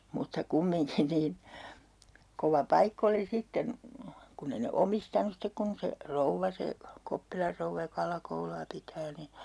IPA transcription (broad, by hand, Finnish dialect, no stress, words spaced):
mutːɑ kumːiŋkin niːn koʋɑ pɑikː oli sitːen kunː ei ne omistɑnus stek kun se rouʋːɑ se kopːilɑr rouʋːɑ jok ɑlɑkouluɑ pitæː ni